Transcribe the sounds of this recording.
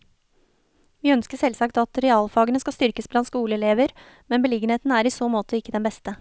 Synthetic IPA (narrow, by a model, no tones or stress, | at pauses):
ʋiːœnskəʂɛlsɑkt̪ɑt̪ɾɛɑːlfɑːɡənəskɑst̪ʏɾkəsblɑnt̪skuːləɛleːʋəɾ | mɛnbəlɪɡəneːt̪n̩əæːɾiːsoːmoːt̪ʰəɪkːəd̪ɛnbɛst̪ə